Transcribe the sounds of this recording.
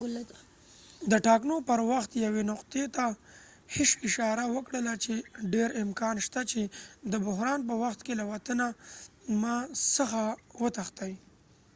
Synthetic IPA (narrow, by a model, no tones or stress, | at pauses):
d̪əʈɑknopəɾwaxt̪jawenʊqt̪et̪a | heʃɪʃɑɾawəkɽəlat͡ʃeɖeɾɪmkɑnʃt̪at͡ʃed̪əbʊɦɾɑnpəwaxt̪kelawat̪ənamɑsəxawət̪axt̪aj